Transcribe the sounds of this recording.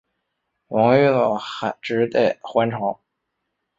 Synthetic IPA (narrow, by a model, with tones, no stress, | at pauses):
wɑ˧˥ŋy˥˩lɔ˨˩xa˨˩ʈ͡ʂɻ̩˧˥t̪e˥˩xwa˧˥nʈ͡ʂʰɑ˧˥ŋ